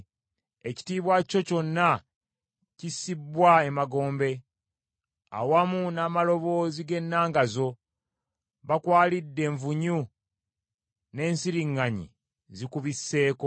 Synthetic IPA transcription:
e̞ci̥tiːβwaco̞co̞nːa | cisibwaemaɡo̞ːmbe̞ | a̰wamunaːmalo̞βo̞ːziɡe̞nːaːŋɡazo̞ | βakwaːlidːe̞ːɱvuɲu | ne̞ːnsiɾiŋːaɲḭ | zikuβisːe̞ːko

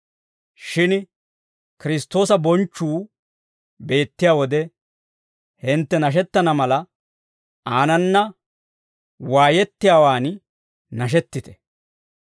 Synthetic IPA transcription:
ʃɪn | kɪɾɪst̪ːo̞ːsɐbɔnt͡ʃːuː | be̞ːt̪ːɪjaːwɔd̪ɛ | hɪnt̪ːɛnɐʃ̬ɛt̪ːɐnɐmɐlɐ | aːnɐnːɐ | waːjɛt̪ːɪjaːwaːn | nɐʃ̬ɛt̪ːɪt̪ɛ̥

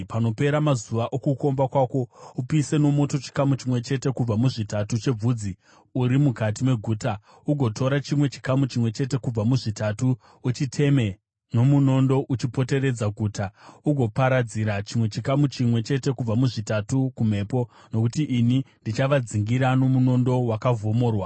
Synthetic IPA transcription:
pano̞pe̞ɾamazuʋaʔokuko̞mbakwaːko̞upise̞no̞mo̞to̞t͡ʃi̥kamut͡ʃimwe̞t͡ʃe̞te̞kub͡vamuʐitatut͡ʃe̞b͡vuːd͡zi | uɾimukatimwe̞ɡʱuːta | uɡʱo̞tʰo̞ɾat͡ʃimwe̞t͡ʃi̥kamut͡ʃimwe̞t͡ʃe̞te̞kub͡vamuʐitatuː | t͡ʃitʰe̞me̞ | no̞muno̞ndo̞ʔut͡ʃipo̞te̞re̞d͡zaɡʱuːtʰauɡʱo̞paɾad͡ziɾat͡ʃimwe̞t͡ʃikamut͡ʃimwe̞t͡ʃe̞te̞kub͡vamuʐitatukum̤e̞ːpo̞ | no̞kutiʔːnindit͡ʃaʋad͡ziŋɡiɾano̞muno̞ndo̞wakavo̞mo̞ːrwa

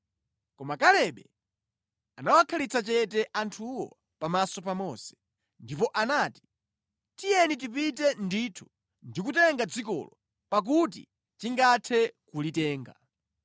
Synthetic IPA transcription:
kɔmakalɛɓɛ | anawakʰalit͡sʰat͡ʃɛtɛʔantʰuwɔ̰ | pamasɔpamɔsɛ̥ | ndipɔʔanaːti̥ | tijɛnit̬ipitɛnditʰu̥ | ndikutɛŋɡad͡zikɔ̰lɔ | pak̬ut̬ḭ | t͡ʃiŋɡatʰɛkulitɛːŋɡa̰

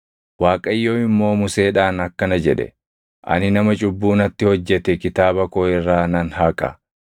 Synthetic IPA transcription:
waːkʼɐjːo̞ːɪmːo̞ːmʊse̞ːᶑaːnɐkːɐnɐd͡ʒɛᶑɛ̰ | ʔɐ̰nɪnɐmɐt͡ʃʼʊbːuːnɐt̪ːɪhɔd͡ʒːɛt̪ɛkɪt̪aːbɐkoːɪrːaːnɐnhaːkʼɐ̰

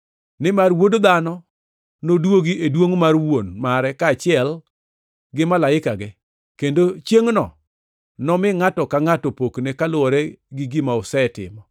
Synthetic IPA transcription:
nɪmarwodod̪anɔ | nodwoɡiedwoŋmarwonmaɾɛkaːt͡ʃɪɛl | ɡɪmalaɪkaɡɪ | kendot͡ʃjeŋnɔ̰ | nɔmɪŋatɔkaŋatɔpoknekalʊɔɾɛɡɪɡɪmaʊsɛtɪ̰mɔ

